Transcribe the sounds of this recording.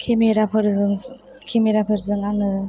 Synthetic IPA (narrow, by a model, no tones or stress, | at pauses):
kʰemeɾapʰɯɾɯ | kʰemiɾapʰɯɾzɯŋaŋɯ